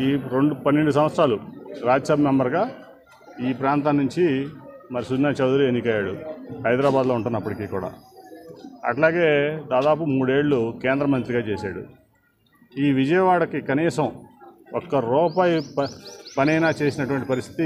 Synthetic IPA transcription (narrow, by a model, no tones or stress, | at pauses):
iːɾeɳɖupɐnːeɳɖus̬ɐ̃m̃ɐt̪sɾaːluɾaːd͡ʒɐsɐbɐmɛmbɐɾɡaː | iːpɾaːnt̪aːnːuɲt͡ʃimɐɾisunːaːt͡ʃɐwd̪uɾienːikɐjaːɽuɦɐjd̪ɾaːbaːd̪loːuɳʈunːɐpːɐʈikiːkuːɽa̰ː | ɐ̰ʈlaːɡe̞ːd̪aːd̪aːpumuːɽe̞ːɭːukeːnd̪ɾɐmɐnt̪ɾiɡaːt͡ʃeːsaːɽṵ | iːʋid͡ʒɐjɐʋaːɭɐkikɐniːsɐmɔkːɐɾɔːpaːji | pɐnɐjnaːt͡ʃe̞ːsinɐʈuʋɐɳʈipɐɾist̪ʰi̥t̪i